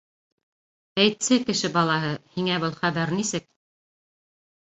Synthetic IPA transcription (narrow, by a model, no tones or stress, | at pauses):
æjt̪sɘkɘ̆ʃɘbɑlˠɑɦɤhiŋæβɤlˠχæβæɾnisɘk̚